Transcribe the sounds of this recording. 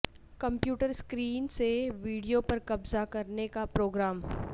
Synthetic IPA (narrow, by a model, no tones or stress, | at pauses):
kɐ̃mpjuːʈəɾskɾiːnseʋiːɖijopɐɾkɐbzakɐɾnekapɾoːɡɾaːm